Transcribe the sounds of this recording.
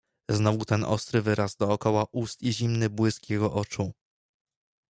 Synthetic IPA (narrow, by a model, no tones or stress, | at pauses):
znɔvut̪ɛnʔɔ̰st̪ɾɘvɘɾazd̪ɔːkɔwaʔust̪iʑimnɘbwɘskʲjɛɡɔʔɔt͡ʂu